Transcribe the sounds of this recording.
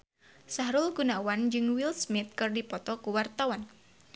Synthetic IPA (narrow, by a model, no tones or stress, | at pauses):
saɦɾʊlɡunawand͡ʒɨŋwilsmɪt̪̚kɨrdipɔt̪ɔkuwart̪awan